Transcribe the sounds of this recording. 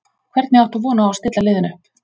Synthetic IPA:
kʰvɛɾt̪nɪawht̪uvɔːnaast̪ɪt̪lalɪːðɪnʏ

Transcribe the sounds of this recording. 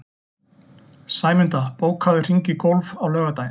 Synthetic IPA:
saːjmɪnt̪apoːwkʰaðʏr̥iɲcɪkowlvawlœːɣat̪aj

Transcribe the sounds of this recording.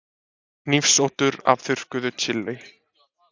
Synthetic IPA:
nifsowt̪ʏɾa̰vθʏr̥kʏðʏt͡ɕʰɪlːɪ

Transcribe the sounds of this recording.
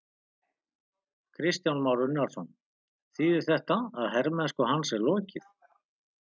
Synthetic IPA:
kʰɾɪst̪janmawɾʏnaɾsɔn | θiːðɪɾ̥θɛht̪aaðhɛɾmɛnskɔɦansɛɾlɔːcɪθ

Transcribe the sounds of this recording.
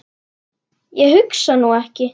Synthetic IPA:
jɛɦʏksanuɛhcɪ

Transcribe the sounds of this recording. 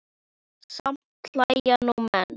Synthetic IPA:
sãm | tʰlajanomãn

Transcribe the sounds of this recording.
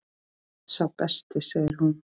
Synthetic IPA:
sawpɛst̪ɪseːjɪɾ̥ɦun

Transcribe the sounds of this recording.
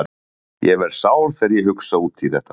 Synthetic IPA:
jɛvɛɾ̥saːwɾθɛɾjɛɦʏksauːt̪ʰiθɛht̪ːa

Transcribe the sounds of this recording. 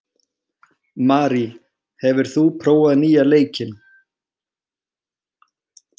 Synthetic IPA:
maːɾi | hɛvɪɾ̥θupʰɾoːwaðniːjaleːjcɪn

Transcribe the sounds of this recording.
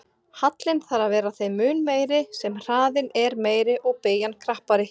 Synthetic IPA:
hat̪lɪnθaɾavɛːɾaθejmʏːnmeːjɾɪsɛmr̥aːðɪnɛɾmeːjɾɪʔɔɣpeːjankʰɾahpaɾɪ

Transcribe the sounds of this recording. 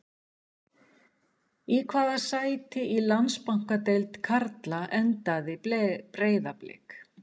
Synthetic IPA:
ikʰvaːðasaːjt̪ɪʔilanspawŋ̥kat̪ejlt̪kʰaɾt̪laʔɛnt̪aðɪpɾeːjðaplɪ̰k

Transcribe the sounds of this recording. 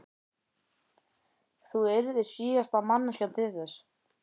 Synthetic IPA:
θuɛɾðɪsiːɣast̪amanːʏscant̪ʰɪðθɛs

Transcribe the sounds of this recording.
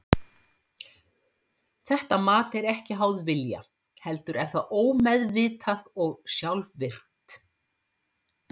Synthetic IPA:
θɛht̪amaːt̪ɛɾɛhcɪɦawðvɪlja̰ | hɛlt̪ʏɾɛnθaðoːwmɛðvɪːt̪ʰaðɔɣsjawlvvɪr̥t̪

